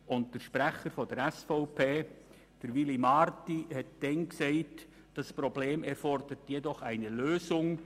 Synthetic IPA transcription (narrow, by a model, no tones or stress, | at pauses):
ʊntd̥əɾʃpɾæχəɾfɔdəɾæsfɔʊpʰeː | d̥əɾʋilimɑɾtihɛt̚d̥ɛnksɛɪt | d̥ɑspɾɔbleːmɛɾfɔrd̥̪əɾtjɛdɔχæɪnəløːsʊŋ